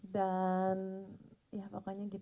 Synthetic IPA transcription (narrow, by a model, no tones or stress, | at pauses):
danjapakaɲaɡit̪